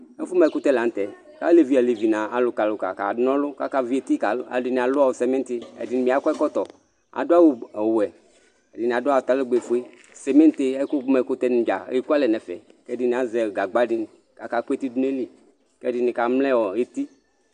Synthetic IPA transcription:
e˦fu˦mɛ˨kʊ˦t̪ɛ˦la˨˦t̪ɛ˨ | ka̰˦le˨vi˦a˨le˨vi˨nã˨a˨lʊ˨ka˨lʊ˨ka̰˨ka̰˨dnɔ̃˦lʊ˦ka˦ka˦vi˦e˨t̪i˦ka˨˦a̰˨di˨nĩ˨a˨lʊ˦a˨wsɛ˨me˦t̪i˦ḛ˨di˨n˨mĩ˨a˨kɔ˦ɛ˦kɔ˦t̪ɔ˨ | a̰˨do˦a˦wu˦ɛ˨wɛ˨ | ɛ˨di˨ni˨a˨dʊ˦a˨t̪a˦le˦ɡ͡be˨fu˦e˦ | sɛ˨me˦t̪e˦ɛ˦ku˦mɛ˨˦kʊ˦t̪ɛ˦ñ˨d͡ʒa̰˨i˦ku˦a˦lɛ˨nɛ˨fɛ̰˨kɛ˦di˦nĩ˨a˨zɛ˨ɡa˨ɡ͡ba˦ɖi˦n˨ | ka˨ka˦ke˦t̪i˦du˦n˦e˦li˦ | kɛ˦di˦ni˨ka˨mlɛ̃˦wɔ˨e˦t̪i˦

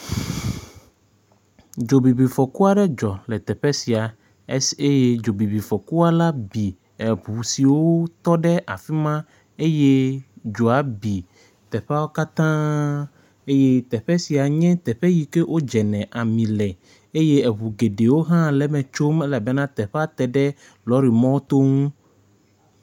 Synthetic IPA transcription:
d͡ʒo˨bi˨bi˨fɔ˨ku˦a˨ɖɛ˦d͡ʒɔ˨lɛ˨t̪ɛ˨ɸɛ˦si˨a˨˦ | e˦je˦d͡ʒo˨bi˨bi˨fɔ˨ku˦a˦la˦bi˨ | ɛ˨ɸu˨si˨wo˦t̪ɔ˦ɖɛ˦ʔa˨fi˦mã˦ | e˦jɛ˦d͡ʒo˨a˦bi˨ | t̪ɛ˨ɸɛ˦a˦wo˦ka˦t̪ã˦ | e˦je˦t̪ɛ˨ɸɛ˦si˨a˨ɲɛ̃˦t̪ɛ˨ɸɛ˦ji˨ke˦ʔo˦d͡ʒɛ˨nɛ̃˨ʔa˨mĩ˨lɛ˨ | e˦je˦ɛ˨βu˨ɡe˨ɖe˨wo˦ɦã˦lɛ˦mɛ̃˨t͡ʃo˦me˦la˨bɛ˦nã˦t̪ɛ˨ɸɛ˦a˦t̪ɛ˨ɖɛ˦ | lɔ˨˦ɾi˨mɔ̃˦o˦t̪o˦ŋũ˦

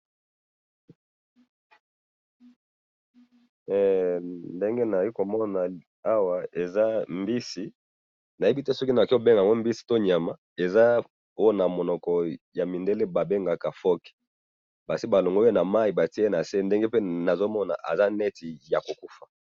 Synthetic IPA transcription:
ɛ˨nde˦ŋɡe˦na˨ki˦ko˨mɔ˦na˨ | a˦wa˨e˨za˦mbi˦si˨ | na˨je˦bi˦tɛ˦sɔ˦ki˦na˨ki˦o˨be˦ŋɡa˨ŋɡo˦mbi˦si˨to˦ɲ˨a˨ma˨ | e˨za˦ | o˦jo˦na˨mo˨nɔ˨kɔ˨ja˨mi˨nde˦le˦ba˨be˦ŋɡa˨ka˨fɔ˦kɛ̥˨ | ba˨si˦ba˨lo˨ŋɡo˦e˦na˨ma˦i˨ba˨ti˦na˨se˦nde˦ŋɡe˦pe˦na˨zo˦mɔ˦na̰˨ʔa̰˨za˦nɛ˦ti˨ja˨ko˨ku˦fa˨

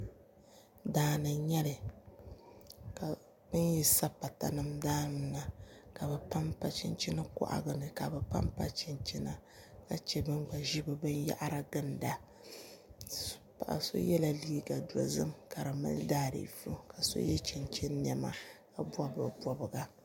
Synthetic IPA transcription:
daː˦nɨ˨ɲɛ˦lɨ˨ | ka˨ | bɨ˦n˦ji˦sa˦pa˨ta̰˨nɨ˦mdaː˦n˨˦na˨ka˨bɛ˨pa˦mpa˨t͡ʃḭ˦nt͡ʃi˦nɨ˦kɔ̰˦ʔa̰˨ɡɨ˨nɨ˨ka˨bɨ˨pa̰˦mpa˦t͡ʃɪ˨nt͡ʃi˦na˦ | ka˨t͡ʃɛ˦bɨ˦nɡ͡ba˨ʒi˦bɨ˨bɨ˦nja̰˦ʔa˦ɾa˦ɡɨ˦nda˨˦ | pa̰˨ʔa̰˨so̰˦jɛ˦la˦liː˦ɡa˨dɔ̰˨zɨ˦mka˨ɾɨ˨ma̰˦ldaː˦ɾḭ˨fu˦ka˨so̰˦jɛ˦t͡ʃi˨nt͡ʃɛ˦nː˦ɛ˨ma̰˦ka˨bʷa˦bɨ̰˨bɔ˨bɨ˨ɡa˦

